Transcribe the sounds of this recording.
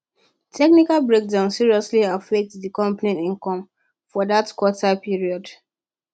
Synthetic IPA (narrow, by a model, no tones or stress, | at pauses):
tʰɛknikalbɹek̚dãʊ̃nsiɹiɔsliafɛk̚tsðikɔ̃mpanĩnĩŋkɔ̃m | fɔdatkwɔtapiɹiɔd